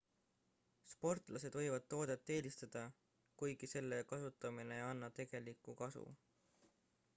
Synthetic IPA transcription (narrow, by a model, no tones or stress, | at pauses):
spo̞rt̪ˑlɑse̞d̪̥vɤ̞jvɑd̪̥̚t̪o̞ːd̪̥e̞t̪ːe̞ːlist̪ɑd̪̥ɑ | kujɡ̥ise̞lːe̞kɑsut̪ːˑɑmine̞ɑnːɑt̪e̞ɡ̥e̞likːˑukɑsṵ